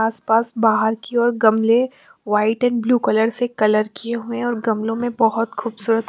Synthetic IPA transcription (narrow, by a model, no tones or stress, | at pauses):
aːspaːsbaːɦəɾkiɔːɾɡɐmle | ʋaːɪʈɛnbluːkɐləɾsekɐləɾkieɦuẽɔːɾɡɐmlõmẽbɐɦʊt̪xuːbsuːɾət̪